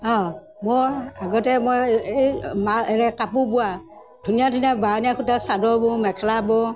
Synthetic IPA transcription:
ɔ̃ | mʊɹaɡɔtɛmɔjemaɛɹɛkapubuwa | dʱunijadʱunijabanijakʰutasadɔɹbʊmɛkʰɛlabɔ

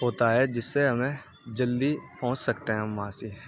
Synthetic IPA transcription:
ɦoːt̪aɦɛd͡ʒɪsːeɦɐmẽ | d͡ʒɐld̪ipɔ̃ːʊ̃t͡ʃsɐkt̪eɦɛ̃mãːsi

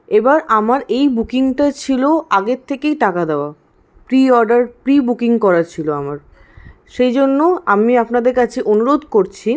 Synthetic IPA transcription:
ebaɾamaɾejbukiŋʈat͡ɕʰiloaɡeɾt̪ʰːekejʈakad̪eoa | pɾiɔɾɖaɾpɾibukiŋkɔɾat͡ɕʰiloamaɾ | ʃejd͡ʑonːoamiapnad̪eɾkat͡ɕʰeʔonuɾod̪ʱkoɾt͡ɕʰi

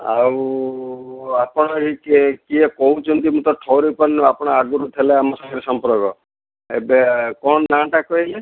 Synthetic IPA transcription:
a̰u | apɔɽ̃ɔɦikkiekɔɦut͡ʃʰɔnt̪imũt̪ɔʈʰɔwɾipɔnapɔɽ̃ɔaɡuɾut̪ʰeleamɔsɔŋɡiɾesɔmpɔɾɔɡɔ | ebekɔɳ̃naʈakɔele

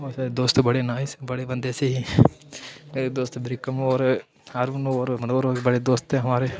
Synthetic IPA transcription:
osɐd̪oːst̪bɐɽenaːjisbɐɽebɐnd̪eːseɦi | meːɾed̪oːst̪bɾikːɐmoːɾ | aːɾʋunooːɾmɐnooɾoːbɐɽed̪oːst̪eɦɐmaːɾe

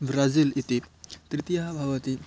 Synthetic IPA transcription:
bɾazilit̪it̪ɾit̪ijabʱawət̪i

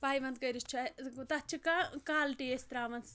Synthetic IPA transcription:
paːjʋɐnt̪kɐjɾist͡ʃʰɐt̪ɐt͡ʃʰikakaːlʈiest̪ɾaːmɐns

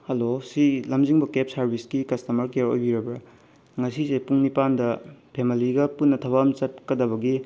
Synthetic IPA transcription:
hɐlosilɐmziŋbɐkep̚sɐɾbʱiskikɐstɐmɐɾkeɾo̰jbiɾɐbɾɐ | ŋɐsisepuŋnipandɐpʰemiliɡɐpunːɐtʰɐβamt͡ʃɐt̚kɐdɐβɐɡi

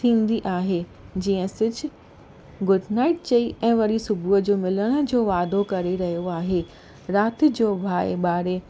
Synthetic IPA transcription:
t̪ʰĩːn̆d̪iʔaːɦed͡ʑiːə̃sɪd͡ʑʱɪ̆ | ɡʊɖnaːɪʈ̚t͡ɕɐiʔɛ̃ːʋɐɾisʊbʱuəd͡ʑoːmɪləɽ̃ə̆d͡ʑoːʋaːd̪ʱokɐɾeɾɐɦijoaːɦeː | ɾaːt̪ɪ̆d͡ʑoːbʱaːeɓaːɾe

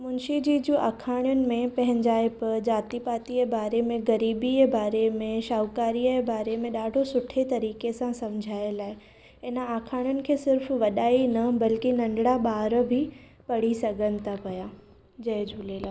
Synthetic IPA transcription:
mʊnʃid͡ʑid͡ʑuʔa̰ːkʰaːɽ̃jʊnɪ̆mẽpɐ̃ɦɪ̃ɲd͡ʑaːepɐɾd͡ʑaːt̪ipaːt̪iebaːɾemẽɡɐɾiːbiebaːɾemẽʃaːwkaːɾiəebaːɾemẽɗaːɖʱosʊʈʰet̪ɐɾiːkesãsɐmd͡ʑʱaːelaːɪ | ɪnəaːkʰaːɽ̃jʊnɪ̆kʰeːsɪɾfʋɐɗaːinɐbɐlkinɐ̃ɳɖɽaɓaːɾbʱi | pɐɽ̤isɐɡʱənɪ̆t̪ʰapɐjaː | d͡ʑɐed͡ʑʱuleːla

